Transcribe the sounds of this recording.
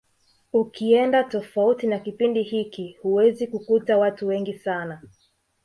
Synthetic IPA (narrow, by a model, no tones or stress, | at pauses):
ukiɛndatɔfautinakipindihikihuwɛzikukutawatuwɛŋɡisana